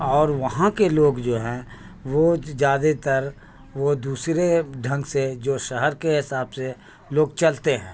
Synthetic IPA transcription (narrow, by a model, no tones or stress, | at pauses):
ɔːɾʋɐɦãkeloːɡd͡ʒoːɦɛ̃ː | ʋod͡ʒjaːd̪et̪ɐɾ | ʋod̪uːsɾeɖʱɐ̃ŋɡsed͡ʒoːʃəɦɛɾkeɦɪsaːbse | loːɡt͡ʃɐlt̪eɦɛ̃ː